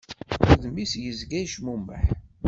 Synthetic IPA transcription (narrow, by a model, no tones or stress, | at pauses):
əðmisjəzɡæjʃmumːəħ